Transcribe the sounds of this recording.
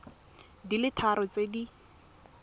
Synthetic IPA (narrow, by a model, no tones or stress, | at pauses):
dilɪtʰaɾɔt͡sedi